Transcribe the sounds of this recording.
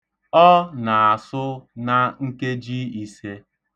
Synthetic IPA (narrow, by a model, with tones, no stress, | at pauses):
ɔ˦na˨a˨sʊ˦na˦ŋ̩˦ke˦d͡ʒi˦i˨se˦